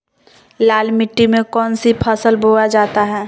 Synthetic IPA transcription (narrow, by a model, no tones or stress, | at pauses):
laːlmɪʈːimẽkɔːnsipʰəsəlbʱoːad͡ʒaːt̪aɦɛː